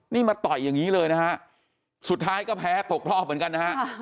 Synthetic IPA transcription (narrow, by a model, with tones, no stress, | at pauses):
niː˥˩maː˧t̪ɔ˨˩jːa˨˩ŋiː˦˥lɤː˧jna˦˥kʰa˦˥ʔ | su˨˩t̪ʰːaː˦˥jkɔː˥˩pʰɛː˦˥t̪o˨˩k̚ɾɔː˥˩p̚mɯ˨˩˦nka˧nːa˦˥ha˦˥ʔ